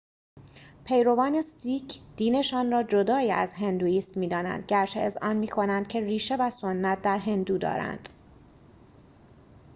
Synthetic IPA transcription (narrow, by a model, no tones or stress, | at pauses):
pʰe̞jɾo̞vɒːne̞st̪iːcʰd̪̥iːne̞ʃɒːnrɒːd͡ʒo̞d̪ɒːjiːæ̰zɦe̞nd̪uːiːsmmiːd̪ɒːnæ̰nd̪̥̚ɟæɾt͡ʃʰeezʔɒːnmiːkʰo̞nænd̪̥̚cʰe̞riːʃe̞væsonːæt̪̚d̪æɾɦe̞nd̪uːd̪ɒ̰ːɾæ̰nd̪̥